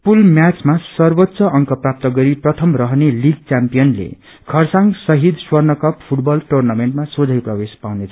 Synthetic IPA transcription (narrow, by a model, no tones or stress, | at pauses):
pulmjat͡smasʌrbʌt̪ːsʌʔʌŋkʌprap̚t̪ʌɡʌɾiprʌt̪ʰʌmrʌɦneliɡ̚t͡sampijʌnlḛ | kʰʌrsaŋɡsʌɦid̪swʌrnʌkʌppʰuʈbʌlʈornameɳʈmasod͡zʱʌjprʌbespawnet͡sʰʌ